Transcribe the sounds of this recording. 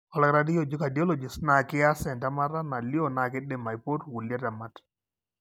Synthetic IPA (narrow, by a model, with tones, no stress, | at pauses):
ɔ˨lɛ˦kɾa˦di˦jo˨d͡ʒi˦ka˨di˨o˦lo˨d͡ʒɪ˨sna˨kɪ˦a˦sɛ˨nta˦ma˦ta˦na˨li˦o˦˨na˨kɪ˦dɪ˨ma˨jpo˦twu˨lja˦ta˨ma˦t